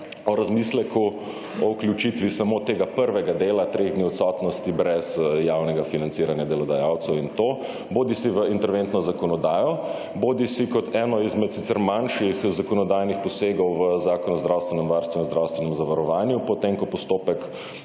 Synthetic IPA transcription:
ɔɾazmislɛkʰu | ɔukljut͡ʃit̪ʋisamoːt̪eːɡapəɾʋɛɡad̪eːlat̪ɾeɣd̪niːɔt̪sɔːt̪nɔst̪ibɾɛzjawnɛɡafinantsiːɾanjad̪ɛlɔd̪ajaːwt̪sɛwint̪oː | boːd̪isiʋəint̪ɛɾʋent̪nɔzakɔnɔd̪aːjɔ | boːd̪isikɔt̪ʰɛːnɔizmɛt̪sit̪sɛɾmanʃixzakɔnɔd̪aːjnixpɔseːɡɔwʋəzaːkɔnɔzd̪ɾawst̪ʋɛnɛmʋaɾst̪ʋɛnzd̪ɾawst̪ʋɛnɛmzaʋaɾɔʋaːnjupɔt̪emkɔpɔst̪oːpɛk

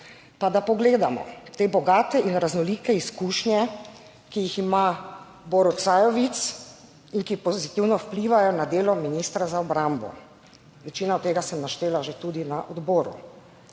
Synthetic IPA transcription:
pad̪apɔɡleːd̪amɔ̰t̪eːbɔɡaːt̪ɛʔinɾaznɔlikɛiskuːʃnjɛ | kijixima | bɔɾɔsajɔʋit̪s | inkipɔzit̪iwnɔwpliʋajɔnad̪eːlɔminist̪ɾazaɔbɾambɔ̰ | ʋɛt͡ʃiːnaɔt̪ːeːɡasɛmnaʃt̪eːlaʒet̪uːd̪inaʔɔd̪bɔːɾṵ

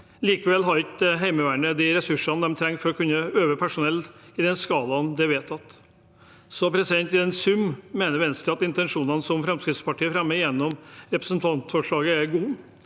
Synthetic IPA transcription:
liːkəʋɛlːɦɑɾɪkd̪ɦæɪməʋæːɳəd̪ɪɾɛsʉʂɑnd̪ɛmt̪ʰɾɛŋːfɔɾɔkʰʉnːəøːʋəpʰæʂʊnɛlɪd̪ɛnskɑːlɑnd̪ɛʋeːt̪ɑt̪ | sɔpʰɾɛsɪd̪ɛnt̪ɛnsʉmːeːnəɾʋɛnst̪ɪɑt̪ɪnt̪ɛnʂuːnɑnsɔmfɾɛmskɾɪt̪spɑʈiːəfɾɛmːəjɛnːɔmɾɛpɾə̥snt̪ʰɑnt̪fɔʂɭɑːɡəæɾɡuː

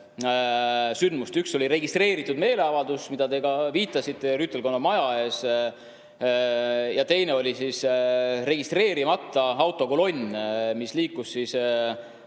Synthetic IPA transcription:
synd̪̥must̪ykso̞lʲiɾe̞ɡist̪re̞ːɾit̪ːˑud̪me̞ːle̞ɑvɑld̪usmid̪̥ɑt̪e̞ɡɑviːt̪ːˑɑsit̪ːˑeryt̪ːˑe̞lko̞nːɑmɑjɑe̞ːs | jɑt̪e̞jne̞o̞lʲisisre̞ɡ̥ist̪re̞ːɾimɑt̪ːˑɑɑwt̪ːˑo̞kolo̞nʲmisliːkːusːis

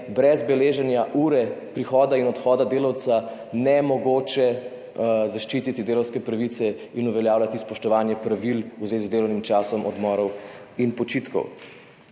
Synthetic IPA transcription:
bɾɛzbɛleːʒɛnjaʔuːɾɛpɾixɔːd̪ainɔt̪xɔːd̪ad̪eːlawt̪sa | nɛmɔɡoːt͡ʃɛ | zaʃt͡ʃiːt̪it̪id̪eːlɔwskɛpɾaʋit̪sɛ | inuʋɛljaːwlat̪ispɔʃt̪ɔʋaːnjɛpɾaʋiluzʋeːzizd̪eːlɔwnimt͡ʃaːsɔmʔɔ̰d̪mɔːɾɔw | inpɔt͡ʃit̪kɔ̰w

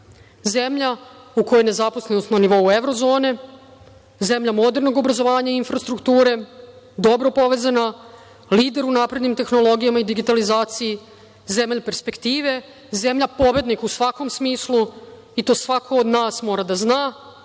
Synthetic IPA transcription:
ze̞mʎauko̞jene̞zapo̞sle̞nost̪naniʋo̞ue̞ʋɾo̞zo̞ːne̞ | ze̞mʎamo̞d̪e̞ɾno̞ɡo̞bɾazo̞ʋaːɲaiinfɾast̪ɾukt̪uːɾe̞ | d̪o̞bɾo̞po̞ʋe̞ːzana | liːd̪e̞ɾunaːpɾe̞d̪nimt̪e̞xno̞lˠo̞ɡijamaid̪iɡit̪alizaːt̪siji | ze̞mʎpe̞ɾspe̞kt̪iːʋe̞ | ze̞mʎapo̞bje̞d̪nikusʋako̞msmiːslu | it̪o̞ːsʋakʰo̞ːd̪naːsmo̞ːɾad̪aznaː

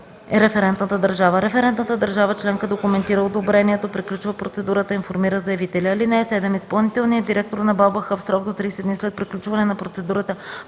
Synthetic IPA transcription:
ɛɾɛfɛɾɛnt̪nət̪əd̪əɾʒavəɾɛfɛɾɛnt̪nət̪əd̪əɾʒavət͡ʃlɛŋkəd̪okumɛnt̪iɾəod̪obɾɛniɛt̪opɾiklʲut͡ʃvəpɾot̪sɛd̪uɾət̪əinfoɾmiɾəzɐɛvit̪ɛlʲiːlinɛɛsɛd̪ɛmispɐlˠnit̪ɛlˠniəd̪iɾɛk̚t̪oɾnɐbalˠbəxəfsɾɔɡ̚d̪ot̪ɾijsɛd̪nislɛt̪̚pɾiklʲut͡ʃvɐnɛnɐpɾot̪sɛd̪uɾət̪ə

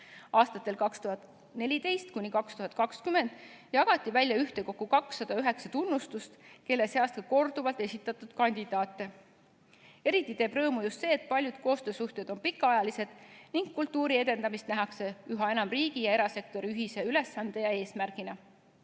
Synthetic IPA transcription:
ɑːst̪ɑt̪ːˑe̞lkɑkst̪uhɑt̪ | ne̞lʲid̪̥e̞jst̪kunʲikɑkst̪uɦɑt̪̚ˑkɑkskyme̞nd̪̥jɑɡ̥ɑt̪ʲːˑivælʲjɑyht̪e̞ko̞kːˑukɑksːɑd̪̥ɑyɦe̞ksɑt̪unːust̪ust̪ke̞lːe̞seɑst̪kɑko̞rd̪̥uvɑlt̪ˑe̞sʲit̪ːˑɑt̪ːˑud̪̥kɑnʲd̪̥id̪̥ɑːt̪ːˑe̞ | e̞ɾit̪ːˑit̪e̞ːbrɤ̞ːmujust̪se̞ːt̪̚pɑlʲjud̪̥ko̞ːst̪ø̞ːsuht̪e̞d̪̥onpikːɑɑjɑlise̞d̪̥niŋɡkːult̪ːuːɾie̞d̪̥e̞nd̪ɑmist̪næɦɑkse̞yɦɑe̞nɑmriːɡ̥ijɑe̞ɾɑse̞k̚t̪o̞ɾiyɦise̞yle̞sːɑnd̪e̞jɑe̞ːsmærɡ̥inɑ

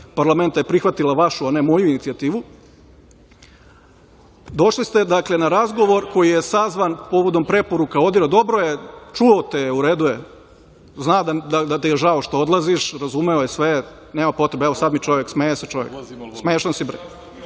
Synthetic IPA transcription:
paɾlˠame̞nt̪ajepɾixʋat̪ilaʋaʃuane̞mo̞juinit̪siat̪iːʋu | d̪o̞ʃlist̪ed̪akle̞naɾazɡo̞ʋo̞ɾko̞jijesazʋanpo̞ʋo̞d̪o̞mpɾe̞po̞ɾukao̞d̪iɾod̪o̞bɾojet͡ʃuot̪ejuɾeːd̪uje | znad̪ad̪ad̪at̪ɛjeʒaoʃt̪ood̪lˠaziʃɾazumeojesʋe | neːmapo̞t̪ɾe̞beɛʋo̞sad̪mit͡ʃo̞ʋjeksmejeset͡ʃo̞ʋjeksmeːeʃt̪ansibɾ

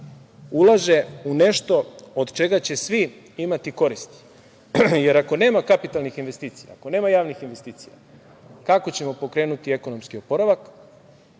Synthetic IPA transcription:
ulˠaʒe̞une̞ʃt̪o̞od̪t͡ʃe̞ɡat͡ɕe̞sʋi | imat̪iko̞ɾist̪i̥ | je̞ɾako̞ne̞ːmakapit̪alnixinʋe̞st̪iːt̪sija̰ako̞ne̞ːmajaːʋnixinʋe̞st̪iːt̪sija̰ | kako̞t͡ɕe̞mo̞po̞kɾe̞ːnut̪ie̞ko̞no̞mskio̞po̞ɾaʋak

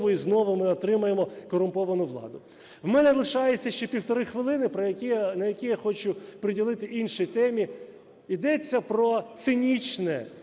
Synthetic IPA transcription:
ʋʊiznɔʋʊmɪɔt̪ɾɪmɐjemɔkɔɾʊmpɔʋɐnʊʋlˠɑ̰d̪ʊ | wmɛnɛlˠɪʃɑjet͡sʲːɐʃt͡ʃɛpʲiwt̪ɔɾɪxʋɪlˠɪnɪpɐkʲinɐjɐkʲijaxɔt͡ʃʊpɾɪdʲilˠɪt̪ɪʔinʃijt̪ɛmʲi | id̪ɛt͡sʲːɐpɾɔt̪sɪnʲit͡ʃnɛ

